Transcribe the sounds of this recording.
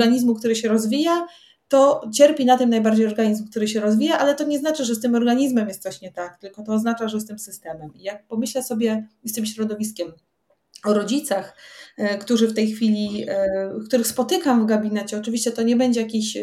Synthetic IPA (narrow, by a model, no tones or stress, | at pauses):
ɡaɲizmukt̪uɾɘɕɛɾɔzvʲija | t̪ɔt͡ɕɛɾpʲinat̪ɘmnajbaɾd͡ʑejɔɾɡaɲizmk̚t̪uɾɘɕɛɾɔzvʲijaʔalɛt̪ɔɲɛznat͡ʂɘʐɛst̪ɘmɔɾɡaɲizmɛmjɛst̪t̪aɕɲɛt̪ak̚t̪ɘlkɔt̪ɔːznat͡ʂaʐɛst̪ɘmsɘst̪ɛmɛmijak̚pɔmɘɕlɛsɔbʲjɛst̪ɘmɕɾɔd̪ɔvʲiskʲɛm | ɔɾɔd͡ʑit̪saxkt̪uʐɘft̪ɛjxfʲilʲi | kt̪uɾɘxspɔt̪ɘkamvɡabʲinɛt͡ɕɛɔt͡ʂɘvʲiɕt͡ɕɛt̪ɔɲɛbɛɲd͡ʑɛjakʲiɕ